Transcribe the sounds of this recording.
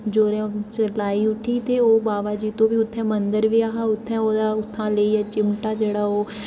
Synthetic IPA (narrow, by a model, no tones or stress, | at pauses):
d͡ʒoːɾɛ̃t͡ʃəlaːiːʊʈʰiːt̪eːoːbaːbaːd͡ʒiːt̪õːbiːʊt̪ʰːɛ̃ːmənd̪əɾʋiːaːɦaːʊt̪ʰːɛ̃ːoːd̪aːʊt̪ʰːãːleːiat͡ʃɪmʈaːd͡ʒeːɽaːoː